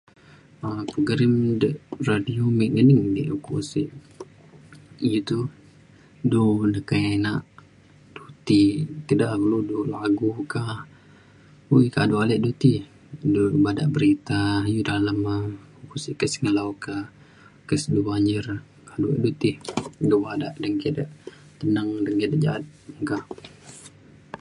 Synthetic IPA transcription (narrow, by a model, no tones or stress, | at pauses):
apuɡɾɪmdəʔradiomiʔŋənɪŋdiʔukusiʔ | jut̪u | dunəkanaʔ | d̥ut̪it̪idaʔɡuludulaɡukah | ujka̰dualɛʔdut̪i | dubada̰ʔbəɾit̪ajudaləmə | upusikəsiŋəlauka | kəsdubaɲd͡ʒɪr | kaduɛ̰ʔdut̪ihdubadaʔdənkidaʔ | t̪ənəŋdəŋkidaʔd͡ʒa̰at̪̚ŋkah